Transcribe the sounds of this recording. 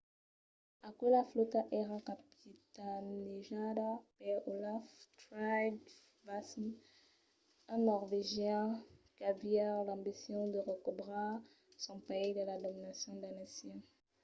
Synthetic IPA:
akulaflotaʔɛʁãkapitaneʒadapɛolaftɾajd | basm | ãnɔʁveʒjɛ̃kaviɛlãmbisjɔ̃d̪əʁəkubʁa | sɔ̃peidəladominasjɔ̃danasjɔ̃

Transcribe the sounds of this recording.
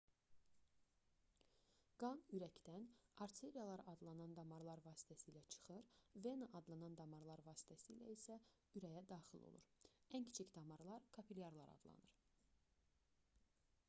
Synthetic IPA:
ɡ̥ɑnyɾæcd̪ænɑɾt̪ʰe̞ɾijɑlˠɑɾɑd̪lˠɑnɑnd̪ɑmɑɾlˠɑɾvɑːsi̥t̪ʰæsiːlæt͡ʃʰɯ̥χɯɾve̞nɑʔɑd̪lˠɑnɑnd̪ɑmɑɾlˠɑɾvɑːsi̥t̪ʰæsiːlæ̰isæ | yɾæjæd̪ɑːχilˠo̰lˠṵɾæncʰi̥t͡ʃʰicd̪ɑmɑɾlˠɑɾkʰɑpʰiljɑɾlˠɑ̰ɾɑ̰d̪lˠɑ̰nɯɾ

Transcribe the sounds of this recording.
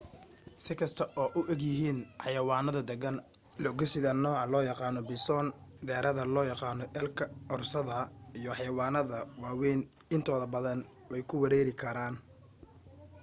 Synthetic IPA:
sɪkʰɐst̪ʰɐʔɔːʔʊʔɛɡjɪɦiːnħɑjɐwɑːnɐðɐd̪ɛɡɐn | lɔɡɛsɪðɐnːɔːʕɑlɔːjɑqɑːnɔbɪsɔnd̪ɛːɾʔɐðɐlɔːjɑqɑːnɔʔɛlkʰɐʔɔrsɐðɐijɔħɑjɐwɑːnɐðɐwɑːwɛn | ɪnt̪ʰɔːðɐbɐðɐn | wɛjkʰʊwɐɾɛːɾɪkʰɐɾaːn

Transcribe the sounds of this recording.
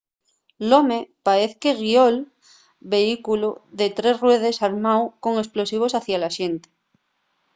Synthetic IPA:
lomepaeθkeɣiol | βe̞ikuluðet̪ɾe̞srwe̞ð̞e̞saɾmawko̞ŋe̞splo̞siβ̞o̞saθjalaʃent̪e̥

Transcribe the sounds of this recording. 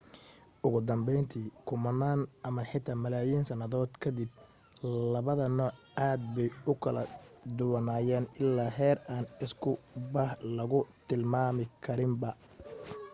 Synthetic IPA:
ʔʊɣʊd̪ɐmbɛjnt̪ʰiːkʰʊmɐnaːnʔɐmɐħɪt̪ʰaːmɐlaːjiːnsɐnɐðɔːd̪kʰɐd̪ɪb̚ | lɐβɐðɐnɔːʕ | aːd̪̚bɛjʊkʰɐlɐ̰d̪ʊwɐnaːjɛːnɪlːaːɦɛːraːnɪskʰʊbɐhlɐɣʊt̪ʰɪlmaːmɪkʰɐɾɪmbɐ

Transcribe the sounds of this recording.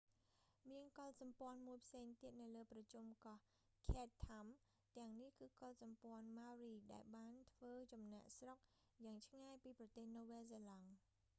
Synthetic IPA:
miənkolsɑmpŏənmuəjpʰseːŋt̪iət̪̚nɨwləːprɑt͡ɕumkɑh | kʰeːt̪ʰːam | t̪ɛ̆əŋnihkɨːkolsɑmpŏənmawriːɗaɛlɓaːnt̪ʰʋəːt͡ɕɑmnăəʔsrok̚ | jaːŋt͡ɕʰŋaɛjpiːprɑt̪eːhnoːʋeːselɑŋ

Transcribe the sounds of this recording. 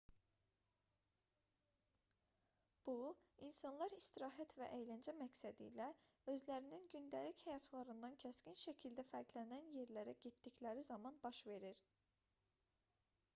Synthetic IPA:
b̥uinsɑnlˠɑɾist̪iɾɑːɦæt̪ʰvæʔejlænd͡ʒæmæcsæd̪ḭlæø̞zlæɾininɟynd̪ælichæjɑt̪ʰlˠɑɾɯnd̪ɑncʰæscʲinʃæcʰild̪æfæɾkʰlænænje̞ɾlæɾæɟit̪ːiclæɾizɑmɑnbɑʃve̞ɾiɾ

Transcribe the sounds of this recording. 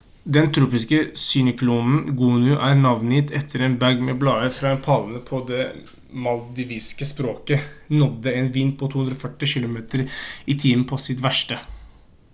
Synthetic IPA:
d̪ɛnt̪ʰɾuːpɪskəsʏnəkʰluːnn̩ɡuːnʉʔæːɾɳɑʋnɪt̪ʰɛt̪ʰːəɾeːnbæɡmɛblɑːəfɾɑɛnpʰɑln̩əpʰɔd̪ɛ | mɑld̪ɪʋiːskəspɾoːkənɔd̪ːəeːnʋɪnːpʰɔt̪ʰuːʉnd̪ɾɔfœʈːɪʃɪlʊmeːt̪əɾit̪ʰiːən̩pʰɔsɪt̪ʋæʂʈə

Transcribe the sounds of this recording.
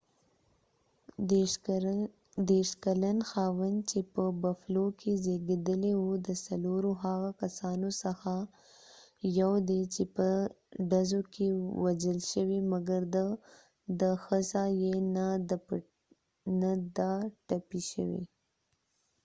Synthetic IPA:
d̪eʃkalanxɑwənd̪t͡ʃepəbaflokʰezeɡed̪əlewud̪əsaloɾoɦaɣakasɑnosəxa | jawd̪et͡ʃepə | ɖazokʰewad͡ʒəlʃəwimaɡaɾd̪ə | d̪əxəzajenad̪əp | nad̪ɑʈapiʃə̰wḭ

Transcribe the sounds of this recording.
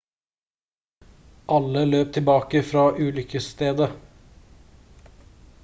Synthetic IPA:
ʔɑləløːp̚t̪ʰɪlbɑːkəfɾɑːʔʉːlʏkʰəst̪eːd̪ə

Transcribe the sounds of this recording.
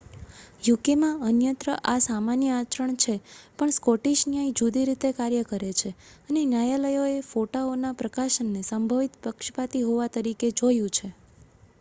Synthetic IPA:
jukemãənjənt̪ɾəʔasamanjəat͡ʃɾəɳt͡ʃʰepəɳskɔʈiʃnjaid͡ʒud̪iɾit̪ekaɾjəkəɾet͡ʃʰeənenjajaləjoefoʈaonapɾəkaʃənːesəmbʱəʋit̪pəkʃpat̪iɦoʋat̪əɾiked͡ʒojũt͡ʃʰe

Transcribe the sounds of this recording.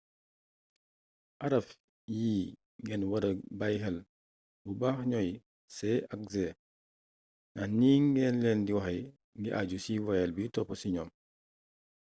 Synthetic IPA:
ʔaɾɐf | jiː | ŋɡɛnwɐɾɐbajɦɛl | bubaːhɲɔj | sɛak̚zɛ | nʔahniːŋɡɛnlɛːndiwaxɐj | ŋɡiʔad͡ʒusiwajɛlbitɔpɔsiɲɔm

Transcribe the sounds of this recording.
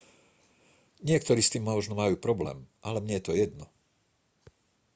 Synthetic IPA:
ɲɪɛkt̪ɔɾiːst̪iːmːɔʒnɔmajuːpɾɔblɛ̰ːmʔalɛmɲɛjɛt̪ɔjɛd̪nɔ

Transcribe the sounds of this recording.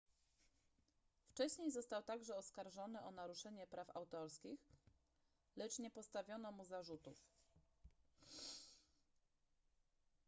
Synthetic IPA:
ft͡ʂɛɕɲejzɔst̪awt̪aɡʐɛɔskaɾʐɔnɘʔɔnaɾuʂɛɲɛpɾafa̰wt̪ɔɾskʲix | lɛt͡ʂɲɛpɔst̪avʲjɔnɔmuzaʐut̪uf

